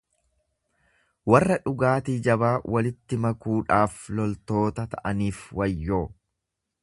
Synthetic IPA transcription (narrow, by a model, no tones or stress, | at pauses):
wɐrːɐᶑʊɡaːt̪iːd͡ʒɐbaːwʔɐlɪt̪ːɪmɐkuːᶑaːflɔlt̪o̞ːt̪ɐt̪ɐʔɐniːfwɐjːoː